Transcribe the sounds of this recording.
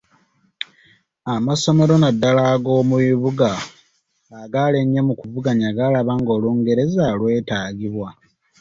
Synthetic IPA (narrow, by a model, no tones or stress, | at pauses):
amaso̞me̞ɾo̞nadːalaɡo̞ːmuβiβuɡaː | ɡaleɲemukuvuɡaɲaɡalaβaŋɡo̞ːluːŋɡe̞ɾe̞zalwe̞ːtaːɡiβwa